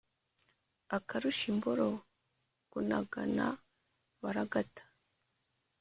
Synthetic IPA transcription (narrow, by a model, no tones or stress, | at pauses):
akaɾuʃimboɾo | ɡunaɡa̰na̰ | βaɾaɡatḁ